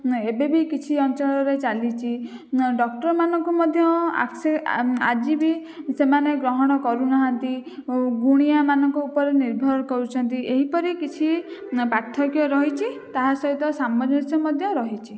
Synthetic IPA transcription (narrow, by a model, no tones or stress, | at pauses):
ebebikit͡ʃʰiɔnt͡ʃɔɭɔɾet͡ʃalit͡ʃʰi | ɖɔkʈɔɾmanɔŋkumɔd̪ʱjɔa̰ksead͡ʒibisemaneɡɾɔɦɔɽ̃ɔkɔɾunaɦant̪iɡuɽ̃iamanɔŋkɔupɔɾeniɾbʱɔɾɔnɔkɔɾut͡ʃʰɔnt̪ieɦipɔɾikit͡ʃʰipɾaɾt̪ʰːɔkjɔɾɔɦit͡ʃʰit̪aɦasɔɦit̪ɔsamɔd͡ʒɔnisɔmɔd̪ʱjɔɾɔɦit͡ʃʰi